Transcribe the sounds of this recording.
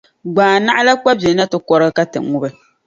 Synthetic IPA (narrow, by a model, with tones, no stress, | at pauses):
ɡ͡baː˨na˦ʔa˦la˦k͡pa˦bɛ˨˦na˦tɨ˦kɔ˦ɾɨ˦ɡɨ˦ka˦tɨ̰˨ŋu˦bɨ˨